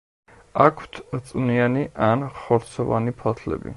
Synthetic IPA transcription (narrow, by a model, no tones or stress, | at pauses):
akʰwt̪ʰt̪sʼnianiʔanχɔɾt̪sʰɔva̰nipʰat̪ʰlɛ̰bḭ